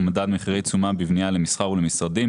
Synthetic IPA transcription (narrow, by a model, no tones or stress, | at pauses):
mad̪ad̪miχiʁejt͡sumabivnialemisχaʁulemisʁadim